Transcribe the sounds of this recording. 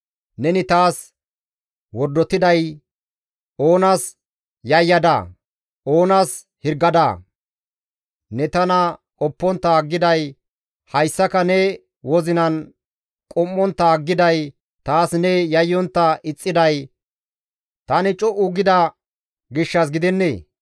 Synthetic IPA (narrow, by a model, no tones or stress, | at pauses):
nɛnɪt̪aːs | wɔɾd̪ːɔt̪ɪd̪ɐj | ʔo̞ːnaːs | jɐjːɐd̪ɐ̰ | ʔo̞ːnɐːs | hɪɾɡɐd̪ɐ | nɛt̪ɐnɐʔʼɔpːɔnt̪ːɐːɡːɪd̪ɐj | hɐjsːɐkɐnɛ | wɔzɪnɐn | kʼɔmːɔnt̪ːɐːɡːɪd̪ɐj | t̪aːsnɛjɐjːɔnt̪ːɐɪt͡sʼːɪd̪ɐj | t̪ɐnɪt͡ʃʼɔʔʊɡɪd̪ɐ | ɡɪʃːɐsɡɪd̪ɛnːḛː